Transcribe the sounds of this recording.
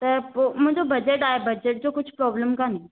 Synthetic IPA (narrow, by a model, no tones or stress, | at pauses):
t̪əɾpom̤ə̃ɳd͡zobəd͡ʑeʈaebəd͡ʑeʈ̚d͡ʑokut͡ɕʰpɾɔbləmkane